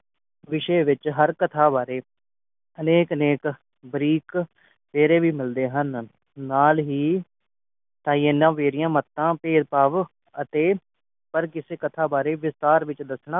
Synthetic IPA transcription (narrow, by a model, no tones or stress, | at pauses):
ʋɪʃeːʋɪt͡ʃɦəɾkət̪ʰaːbaːɾeː | əneːkəneːk | bɾiːk | peːɾeːʋiːmɪld̪eːɦən | naːlɦiː | t̪ãːienːãːʋeːɾɪjãːmət̪ːãːpeːd̪paːʋ | ət̪eː | pəɾkɪseːkət̪ʰaːbaːɾeːʋɪst̪aːɾʋɪt͡ʃd̪əsɳãː